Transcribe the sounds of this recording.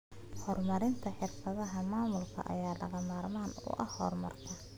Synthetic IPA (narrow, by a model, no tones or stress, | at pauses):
hɔrmɐɾɪnt̪ʰɐħɪrfɐðɐɦɐmaːmʊlkʰɐ̰ʔɐ̰jaːlɐɣɐmaːrmaːnʊ̰ʔɐhhɔ̰ːrmɐ̰rkʰɐ